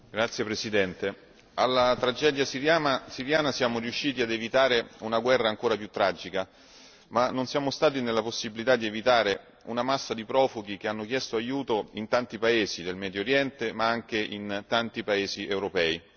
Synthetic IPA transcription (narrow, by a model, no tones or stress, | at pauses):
ɡɾat̪sːjepɾesid̪ɛnt̪e | alːat̪ɾad͡ʒɛːd̪jasijaasiɾjaːnasjaːmoriuʃːiːt̪iad̪evit̪aːɾeunaɡwɛrːaːŋkoːɾapjut̪ːɾad͡ʒika | manːonsjaːmost̪aːt̪inelːaposːibilit̪ad̪ːievit̪aːɾe | unamasːad̪ipɾɔːfuɡ̟ik̟eanːok̟jɛst̪oajuːt̪oint̪ant̪ipaeːzid̪elmɛːd̪joɾjɛnt̪emaaŋk̟eʔint̪ant̪ipaeːziʔewɾopɛːi